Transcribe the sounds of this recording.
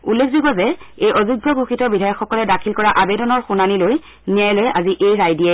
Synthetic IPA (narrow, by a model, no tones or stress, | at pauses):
ulːekʰziɡɔzɛejʔɔzuɡʱːɔɡuxʰitɔbidʱajɔkxɔkɔlɛdakʰilkɔɹaʔabɛdɔnɔɹxunaniloj | niajlojaziʔejɹajdiɛ